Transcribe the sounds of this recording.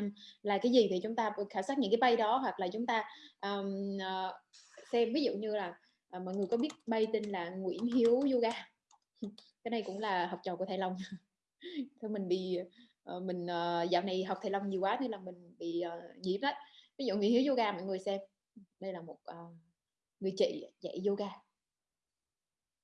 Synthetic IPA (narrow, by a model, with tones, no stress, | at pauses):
mlaː˨˩kaː˨˦jzi˨˩t̪ʰi˨˩t͡ɕʊ˨˦ŋ͡mt̪aː˧˨˩xaː˧˩msaː˦˥t̚ɲɨ̰˧˥ŋkaː˨˦ɓa˧jɗɔ˨˦ɦwa˨˩k̚laː˨˩t͡ɕʊ˨˦ŋ͡mt̪aː˧ʔəː˨˩˨ | sɛ˧mvi˨˦zṵ˧˨ɲɨ˧laː˨˩ | ʔːmɔ̰˧˨jŋɨ˨˩əkɔ˨˦ɓi˦˥ət̚ɓə˧jt̪i˧nlaː˨˩ŋwḭ˧˥ənɦi˨˦əwzo˧ɣaː˧ | kaː˨˦jɗa˧jkʊ̰˧˥ŋ͡mlaː˨˩ɦwk͡p̚t͡ɕɔː˨˩ku˧˩ət̪ʰːjlə˧wŋ͡m | t̪ʰe˧mï˨˩ŋ̟ɓḭ˧˨ | ʔmï˨˩ŋ̟ʔəː˨˩zaː˧˨wna˨˩jɦa˨˩k͡p̚t̪ʰa˧˩jlə˧wŋ͡mɲi˨˩əwaː˨˦ɲɨ˧laː˨˩mï˨˩ŋ̟ɓḭ˧˨ʔəː˨˩ɲḭ˧˩˥mɗə˨˦vi˨˦zṵ˧˨ŋwi˧˥nhi˨˦wzo˧ɣaː˧mɔ̰˧˨jŋɨ˨˩əjsɛ˧m˨˩ | ɗə˧jlaː˨˩mo˨˩t̚ʔəː˨˩ | ŋɨ˨˩əjt͡ɕḛ˧˨za̰˧˩˨jzo˧ɣaː˧